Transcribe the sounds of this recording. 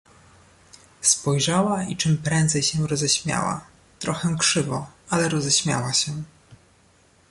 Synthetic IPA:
spɔjʐawait͡ʂɘmpɾɛnd̪zɛjɕɛɾɔzɛɕmʲja̰wa̰ | t̪ɾɔxɛw̃kʂɘvɔalɛɾɔzɛɕmʲja̰waɕɛ

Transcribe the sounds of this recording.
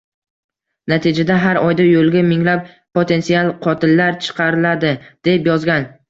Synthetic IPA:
nat̪ʰɪd͡ʒad̪aɦaɾɒjd̪ajolˠɡʲamɪŋlap̚ | pot̪ʰe̞nt̪sialˠqʰɒt̪ʰɪlːaɾt͡ʃʰɨ̥qʰɑɾɪlad̪ɪd̪̥e̞pjɒzɡʲan

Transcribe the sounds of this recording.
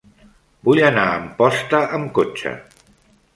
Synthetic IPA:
bujənaəmpɔst̪əʔəmkot͡ʃə̰

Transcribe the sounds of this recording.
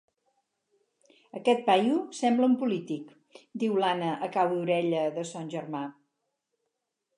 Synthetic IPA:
əkɛt̪̚pajusɛmbləumpulit̪ik | d̪iwlanəʔəkawuɾɛʎəðəsanʲʒəɾma

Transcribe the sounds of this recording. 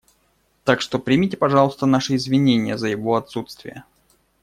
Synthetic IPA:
t̪akʂt̪o̞pɾʲɪmʲitʲɪpɐʐɑlˠəst̪ənaʂɨɪzvʲɪnʲenʲɪjəzəjɪvo̞ɐt̪sut̪st̪vʲɪjə

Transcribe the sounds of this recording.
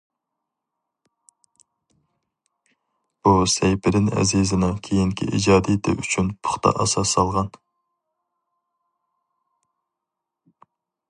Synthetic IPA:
b̥usɛjpʰɪɾɪnɛ̰zizɨnɨŋkʲʰejiŋkʲʰḭʔḭd͡ʒɑːd̪it̪ʰɪʔyt͡ʃʰynpʰʊ̥χt̪ʰɑ̰ʔɑsɑsːɑlˠʁɑn

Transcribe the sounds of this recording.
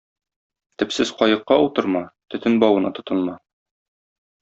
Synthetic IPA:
t̪ɘ̆psɘzqɒjɤ̆qːɑut̪ɤ̆ɾmɑt̪ɵ̆t̪ɘnbɒwɤ̆nɑt̪ŏt̪ɤ̆nmɑ

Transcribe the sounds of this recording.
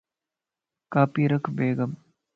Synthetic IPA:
kaːpiɾɐkʰbeːɡɐm

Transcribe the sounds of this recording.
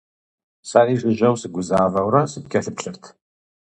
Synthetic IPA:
sariːʒʷɨʒɐwsɨɡʷʊzaːvɐwɾɐsɨp̚kʲʰɐɬɨpɕɨrtʰ

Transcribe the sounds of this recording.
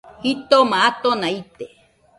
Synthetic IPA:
hit̪omaat̪onait̪e

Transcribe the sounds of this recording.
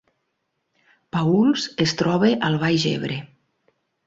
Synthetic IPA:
paulzest̪ɾɔβeʔalˠβajʒḛβ̞ɾe

